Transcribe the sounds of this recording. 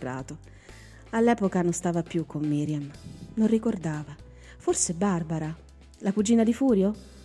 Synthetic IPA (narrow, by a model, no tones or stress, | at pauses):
ra̰ːt̪o | alːɛːpokanonst̪aːvapjukʰːomːiːɾjamnonrikord̪aːva | forsebarbaɾa | lakud͡ʒːiːnad̪ifuːɾjo